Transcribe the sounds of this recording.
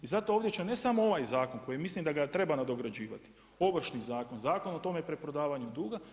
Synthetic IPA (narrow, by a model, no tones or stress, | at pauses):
izat̪o̞oːʋd̪ʲje̞t͡ʃene̞samo̞o̞ʋaːjzaːko̞nko̞jimislimd̪aɡat̪ɾe̞banad̪o̞ɡɾad͡ʒiːʋa̰t̪i̥ | o̞ʋr̩ʃnizaːko̞nzaːko̞not̪o̞mepɾepɾo̞d̪aːʋaɲud̪uːɡa